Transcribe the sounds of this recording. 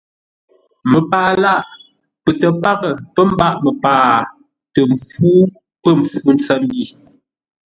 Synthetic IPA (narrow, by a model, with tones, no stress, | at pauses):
mə˨paː˨la˦˨ʔ | pə˨tə˨pa˦ɣə˨pə˦m̩˦ba˦ʔmə˨paː˨ | tə˨m̩˨fuː˦ | pə˦˨m˨fu˦n̩˦t͡sə˦m˦bi˦˨